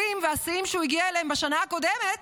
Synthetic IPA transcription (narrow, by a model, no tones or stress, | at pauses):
imveasiimʃeuiɡiaeleembeʃanaako̞d̪emet̪